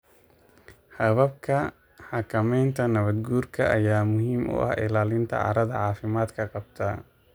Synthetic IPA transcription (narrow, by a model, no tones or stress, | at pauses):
hɐβɐb̚kʰɐ | ħɑkʰɐmɛjnt̪ʰɐnɐβɐd̪ɡuːrkʰɐʔɐjaːmʊɦiːmʔʊ̰ʔɐ̰hɪ̰laːlɪnt̪ʰɐ̰ʕɑ̰ɾɐðɐ̰ʕɑːfɪmaːd̪kʰɐqɑbt̪ʰɐ